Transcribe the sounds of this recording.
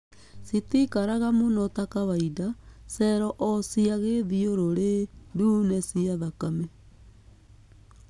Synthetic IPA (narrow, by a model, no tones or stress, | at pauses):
sitikaɾaɣamonɔtakawaidasɛɾɔʔɔsiaɣeðioɾoɾedunesiaðakame